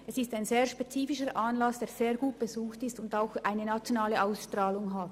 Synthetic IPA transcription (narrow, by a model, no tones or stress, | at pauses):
ʔɛsɪstaɪnzeːʁʃpet͡siːfɪʃəʔanlɑsd̥eːɐz̥eːɐɡuːt̚b̥əzuːxtɪstʊndaʊxʔaɪnənat͡sjonaːləʔaʊsʃtraːlʊŋɦat